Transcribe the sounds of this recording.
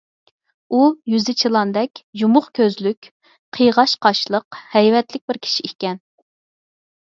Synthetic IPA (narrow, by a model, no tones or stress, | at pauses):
ujyzɪt͡ʃʰilˠɑnd̪ɛkʲjumʊχkʲʰøzlykʲ | qʰəjʁɑʃqʰɑʃlˠəqhɛjvɛt̪lɪk̚ʲbɪɾkʲʰi̥ʃiikʲɛn